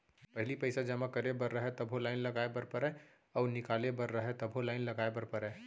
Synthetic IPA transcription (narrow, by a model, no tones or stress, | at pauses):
pɐɦlipəɪsad͡ʒɐmakəɾebɐɾːəɦɛt̪ɐbʱɦolaːɪnlɐɡaːebəɾpəɾɛ̃ | ɔːɾnɪkaːlebɐɾːəɦɛt̪ɐbʱolaːɪnlɐɡaːebɐɾpəɾɛ̃ː